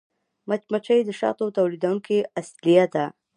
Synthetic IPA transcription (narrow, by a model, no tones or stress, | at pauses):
mat͡ʃmat͡ʃajd̪əʃɑ̰t̪owt̪awlid̪awuŋkeaslijad̪a